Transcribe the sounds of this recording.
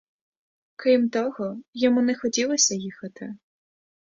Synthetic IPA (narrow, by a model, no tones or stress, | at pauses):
kɾɨmt̪ɔɣɔjɔmunɛxɔt͡sʲilˠɔsʲɐjixɐt̪ɨ